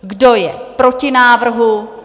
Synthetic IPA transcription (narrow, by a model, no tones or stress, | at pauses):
ɡdo̞jɛpɾo̞cɪnaːvr̩ɦu